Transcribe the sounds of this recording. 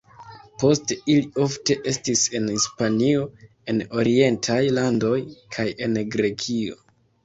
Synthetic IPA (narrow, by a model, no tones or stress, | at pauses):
po̞steilio̞fte̞ʔe̞stise̞nhispanio̞ | e̞no̞ɾie̞ntʰajlando̞jkʰaje̞nɡɾe̞kʰio̞̰